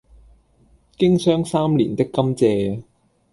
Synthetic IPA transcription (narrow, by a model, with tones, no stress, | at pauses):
kɪ˥ŋsœː˥ŋsaː˥mlḭː˨˩nt̪ɪ˥kːɐ˥mt͡sɛː˧